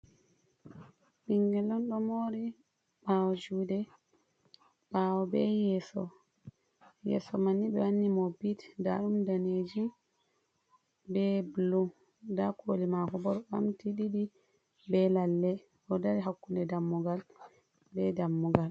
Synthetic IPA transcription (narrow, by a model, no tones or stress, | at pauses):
ɓiŋɡɛlɔnɗɔmoːɾi | ɓawɔd͡ʒuːdɛ | ɓawɔbɛjɛsɔ | jɛ̰sɔmanːiɓɛwanːimɔbitda̰ɗumdaned͡ʒi | bɛblu | dakʰolimakɔbɔɾɓamtiɗiɗi | bɛlalːɛ | ʔɔdaɾiɦakːundɛdamːuɡal | bɛdamːuɡal